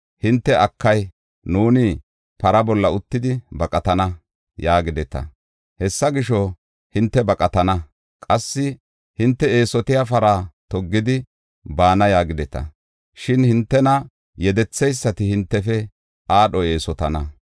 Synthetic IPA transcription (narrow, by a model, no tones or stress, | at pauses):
hɪnt̪ːɛʔɐkʰːɐj | nuːnɪ | pɐɾɐbɔlːɐʊt̪ːɪd̪ɪbɐkʼɐt̪ɐnɐ | jaːɡɪd̪ɛt̪ɐ̰ | hɛsːɐɡɪʃɔ | hɪnt̪ːɛbɐkʼɐt̪ɐnɐ | kʼɐsːɪ | hɪnt̪ːɛe̞ːsɔt̪ɪjafɐɾaːt̪ɔɡːɪd̪ɪ | baːnɐjaːɡɪd̪ɛt̪ɐ̰ | ʃɪnhɪnt̪ːɛnɐ | jɛd̪ɛt͡sːɛjsːɐt̪ɪhɪnt̪ːɛfɛ | aːɗɔe̞ːsɔt̪ɐnɐ